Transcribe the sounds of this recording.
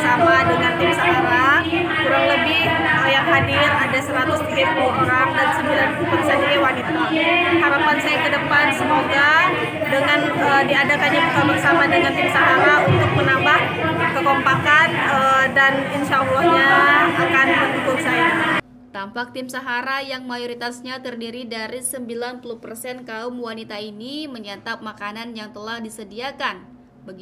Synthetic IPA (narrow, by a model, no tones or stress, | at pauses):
samadəŋant̪ɪmsaɦaɾa | kuɾaŋləbɪhəjaŋɦadiradasəɾat̪ʊsikepuluuɾaŋdansəmbilanpupuksanakawanit̪ahaɾapansajakədəpansəmoɡa | dəŋan | ədiadakaɲabəkabəŋsamadəŋant̪ɪmsaɦaɾaunt̪ʊk̚mənambah | kəkɔmpakanədaninʃalːɔhɲaakanbərt̪ukʊlsaja | t̪ampak̚t̪ɪmsaɦaɾajaŋmajoɾit̪asɲat̪ərdiɾidaɾisəmbilanpuluhpərsɛnkaʊmwanit̪ainiməɲat̪amakananjaŋt̪əlahdisədiakan | baɡi